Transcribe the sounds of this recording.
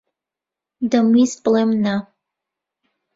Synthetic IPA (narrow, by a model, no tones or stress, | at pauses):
dɐmispʼlemna